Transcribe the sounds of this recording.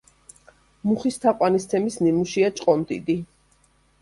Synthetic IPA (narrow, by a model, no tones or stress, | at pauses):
muχist̪ʰaqʼwanist̪sʰɛmisnimuʃiat͡ʃʼqʼɔmd̪ḭd̪i